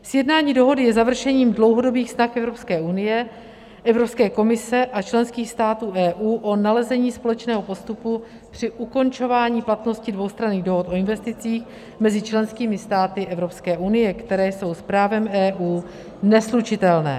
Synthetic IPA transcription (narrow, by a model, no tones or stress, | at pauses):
sjɛdnaːɲiːdo̞ɦo̞dɪjɛzavr̩ʃɛɲiːmdlo̞wɦo̞do̞biːxsnaxʔɛvɾo̞pskɛːʔunɪjɛ | ʔɛvɾo̞pskɛːko̞mɪsɛʔat͡ʃlɛnskiːxst̪aːt̪uːʔɛːʔuːʔo̞nalɛzɛɲiːspo̞lɛt͡ʃnɛːɦo̞po̞st̪upu | pr̝̥ɪʔuko̞nt͡ʃo̞vaːɲiːplat̪no̞scɪdvowst̪ɾaniːɣdo̞ɦo̞t̪ʔo̞ɪnvɛst̪ɪt͡siːx | mɛzɪt͡ʃlɛnskiːmɪst̪aːt̪ɪʔɛvɾo̞pskɛːʔunɪjɛkt̪ɛɾɛːjso̞wspɾaːvɛmɛːʔuː | nɛslut͡ʃɪt̪ɛlnɛ̰ː